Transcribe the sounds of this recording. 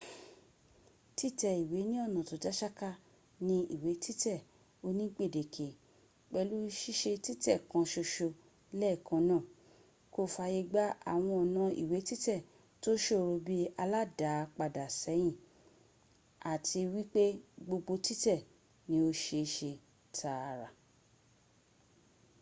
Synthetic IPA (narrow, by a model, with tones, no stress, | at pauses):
ti˦tɛ˦˨i˨we˨˦nĩ˦ɔ˦˨nã˨to˨d͡ʒa˦ʃa˦ka˦ | nĩ˦ḭ˦˨we˨˦tʰi˦tɛ˦˨ | o˧nĩ˦ɡ͡be˦˨de˨kʰe˨ | k͡pɛ˧lu˦ʃi˦ʃe˧ti˦tɛ˦˨kã˨˧ʃo˧ʃo˧ | lɛ˦˨kã˧nãː˦˨ | ko˧fa˧ji˧ɡ͡ba˦a̰˨w̃ɔ̃˧ɔ˨nã˧ḭ˨we˨˦ti˦tɛ˦˨ | to˦ʃo˦˨ɾo˧bi˦a˧la˦da˨˦˧k͡pa˧da˨sɛ˨˦j̃ĩ˦˨ | a˨tʰi˧wi˦k͡pe˦ɡ͡bo˧ɡ͡bo˧ti˦tɛ˦˨ | nĩ˨˦o˧ʃe˧ʃe˧ | tʰa˧ɾa˨